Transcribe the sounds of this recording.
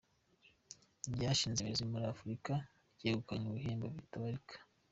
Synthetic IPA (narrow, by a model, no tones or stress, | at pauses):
ɟaːʃiːnzemezimuɾiaafuɾika | ɟeɡukaɲuβuheːmbaβitaβaɾikʰḁ